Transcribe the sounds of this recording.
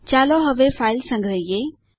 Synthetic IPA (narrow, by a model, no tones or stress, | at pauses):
t͡ʃaːloɦɐʋefʰaːɪlsə̃ŋɡɾəje